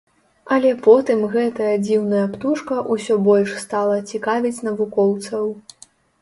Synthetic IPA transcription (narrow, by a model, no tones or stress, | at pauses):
ɐlʲɛpɔt̪ɨmɣɛt̪ɐjɐd͡zʲiwnɐjɐpt̪uʂkɐʔusʲɔbɔlʲʂst̪alˠɐt͡sʲikavʲit͡sʲn̪ɐvukɔwt̪sɐw